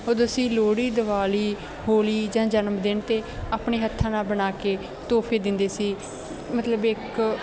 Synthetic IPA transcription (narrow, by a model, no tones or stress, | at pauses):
oːd̪əsĩːloːɽiːd̪əʋaːliː | hoːliːd͡ʒãːd͡ʒənmd̪ɪɳt̪eːaːpɳeːɦət̪ʰːãːnaːbənaːkeː | t̪oːpʰeːd̪ɪnd̪eːsiː | mət̪ləbɪk